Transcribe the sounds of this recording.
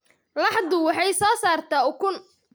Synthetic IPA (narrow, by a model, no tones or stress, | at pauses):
lɑħd̪ʊwɑħɑjsɔːsaːrt̪ʰaːʊkʰʊn